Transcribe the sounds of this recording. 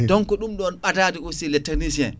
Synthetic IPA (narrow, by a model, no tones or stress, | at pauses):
dɔŋkɔɗumɗɔnɓadaːdikosilɛtːanis̬iɛ̰n